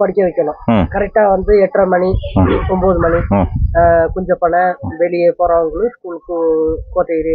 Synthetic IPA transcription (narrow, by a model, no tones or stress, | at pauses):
pɐɽɪkʲːɐʋɛkʲːɐlʊ̃ːkɐɾɛk̚ʈːaːʋɐnd̪ɯɛʈːrɐmɐniɔmboːðɯmɐɳi | kɔɲd͡ʒɐpːɐɳːɐʋɛlɪjeːpoːɾɐ̃ʋɐŋɡɐɭɯ̃skuːlkːɯkoːt̪ːɐɾi